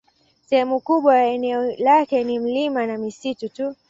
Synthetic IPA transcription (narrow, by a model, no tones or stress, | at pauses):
sɛhɛmukuɓwajaɛnɛɔlakɛnim̩limanamisitutu